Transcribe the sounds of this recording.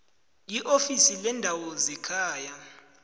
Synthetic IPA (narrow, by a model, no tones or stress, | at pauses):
jiʔofisilɛndʱawɔzɛkʰaːja